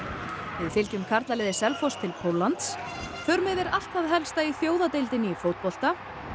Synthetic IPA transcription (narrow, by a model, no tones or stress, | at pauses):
vɪðfɪlcʏmkʰaɾt̪lalɛːðɪsɛlfɔst̪ʰːɪlpʰowlːant̪s | θœɾmɪðɛɾal̥t̪aðɦɛlst̪aiθjoːwðat̪ejlt̪ɪnɪːfoːwt̪̚pɔl̥t̪a